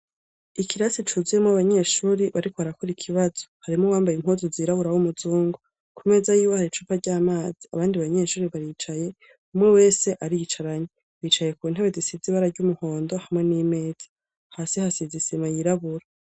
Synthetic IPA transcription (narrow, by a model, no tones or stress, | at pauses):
ikʰiɾasit͡ʃuzijemoaβaɲe̞ːʃuːɾiβaɾikoβaɾakoɾikʰiβaz̥o̞haɾimŋowaːmbajimhozoziːɾaβuɾawumuzuːŋɡo | kʰume̞ːzajuːwohaɾit͡ʃuːpaɟaːmaːz̥ia̰βaːndiβaɲe̞ːʃuːɾiβaɾit͡ʃaje̞ | umŋewe̞ːse̞ʔaɾit͡ʃaɾaɲe | βiːt͡ʃaje̞kuːn̥aβwezisiziβaɾaɾɟumuho̞ːndo̞hamŋe̞niːme̞ːz̥ḁ | haːsihasizisemajiɾaβuɾa